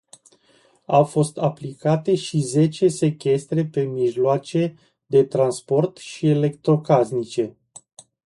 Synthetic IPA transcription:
awfo̞st̪aplikat̪e̞ʃize̞t͡ʃe̞se̞kʲe̞st̪ɾe̞pe̞miʒloat͡ʃe̞ | d̪e̞t̪ɾanspo̞rt̪ʃie̞le̞k̚t̪ɾo̞kaznit͡ʃe̞

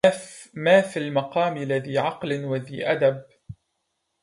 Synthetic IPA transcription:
maːfilmɑqɑːmɪlːaðiːʕɑqlɪnwaðiːʔad̪ab̚

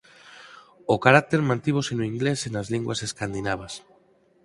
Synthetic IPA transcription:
okaɾak̚t̪eɾmãnt̪iβosenoiŋɡlesenazliŋɡwaseskand̪inaβ̞as

